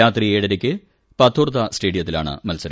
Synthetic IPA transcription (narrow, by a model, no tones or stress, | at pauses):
aːt̪rieːɽɐɾekʲːɨ | pɐt̪ʰːurt̪ɐsʈeːɖijɐt̪̬ːila̰ːɳɨ̰mɐlsɐɾ